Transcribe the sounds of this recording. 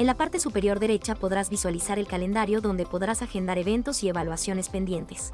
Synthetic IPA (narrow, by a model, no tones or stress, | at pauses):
enlapaɾt̪e̞supe̞ɾjo̞ɾðe̞ɾe̞t͡ʃapo̞ðɾazβiswalisaɾe̞lkale̞nd̪aɾjo̞ðo̞nd̪e̞po̞ðɾasaxend̪aɾe̞βe̞nt̪o̞sie̞βalwasjo̞ne̞spe̞nd̪je̞nt̪e̥s